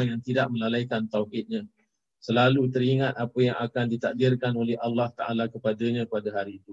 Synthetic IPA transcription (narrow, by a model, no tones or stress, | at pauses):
ŋjaŋt̪idaʔ̚mə̃lalaikant̪awhɪt̪̚ɲã | səlalut̪əɾiŋat̪apəjaŋakandit̪ak̚dɪrkanolɛhalːaht̪aʔalakəpadaɲãpadaɦaɾiːt̪u